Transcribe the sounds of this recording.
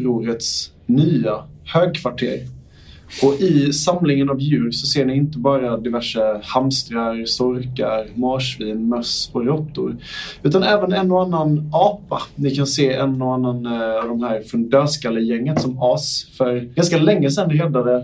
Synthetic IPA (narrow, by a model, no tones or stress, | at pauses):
ɾuːɾət̪s | nyːa | høːɡ̚kʰvaʈʰḛːɾ | ʔɔʔɪsamlɪŋənavjʉ̟ːɾsɔseːɳɪɪnt̪əbɑːɾad̪ɪvæʂəhamst̪ɾaɾsɔɾka̰ɾmɑːʂviːnmœsɔɾɔt̪ːʊ̰ɾʉ̟ːt̪anɛːvənɛnːoanːanɑːpanɪkʰanseːɛnːɔanːanavd̪ɔmhæːɾfɵnd̪øːskalːəjɛŋːət̪sɔmɑːsfœɾɡanskalɛŋːəsɛnd̪ɾɛd̪ːad̪ə